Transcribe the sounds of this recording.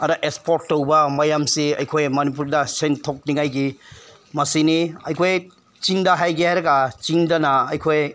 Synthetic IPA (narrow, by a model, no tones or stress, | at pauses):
ɐɾɐʔekspʰoɾtːowbɐmɐjamsiɐ̰jkʰojmɐnip̬uɾdɐsentʰok̚niŋajɡi | mɐsiniɐjkʰoj | t͡ʃiŋdɐɦajɡihajɾɐɡɐt͡ʃiŋdɐnɐɐjkʰoj